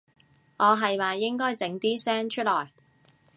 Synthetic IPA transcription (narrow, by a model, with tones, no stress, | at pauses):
ŋʔɔː˨˧ɦɐ˨jwaː˨jɪ˥ŋkɔː˥jt͡sɪ˨˥ŋt̪iː˥sɛː˥ŋt͡ʃʰɵ˥t̚lɔː˨˩j